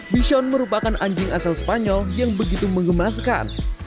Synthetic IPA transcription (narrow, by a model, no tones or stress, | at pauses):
biʃɔnməɾupakanʔaɲd͡ʒɪŋʔasalsə̥paɲɔljaŋbəɡit̪uməŋɡəmaska̰n